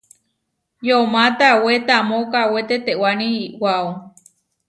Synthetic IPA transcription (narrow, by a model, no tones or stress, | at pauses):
jomãt̪awet̪amõkawet̪et̪ewanĩːwao